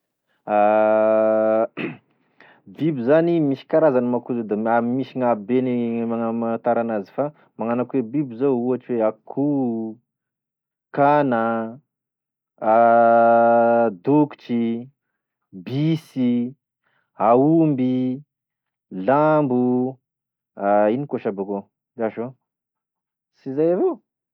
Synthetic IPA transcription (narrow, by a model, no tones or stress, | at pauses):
a | bibizanimiʃi̥kaɾazanimakuzod̪aamimiʃiŋabenimaŋamaat̪aɾanazi̥fa | maŋanakwebibizouɦaʈ͡ʂiweakʰu | kana | d̪ukʈ͡ʂi | bisi | aumbi | lambu | ainikoʃaboko | aʃo | sizajavo